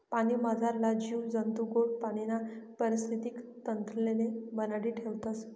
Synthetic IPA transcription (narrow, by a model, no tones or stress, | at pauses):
panimad͡zʱaɾlad͡ʑiwd͡zənt̪uɡoɽpaɽ̃inapəɾist̪ʰit̪iːkt̪ənt̪ɾlenebənaɽiːʈʰeʋt̪as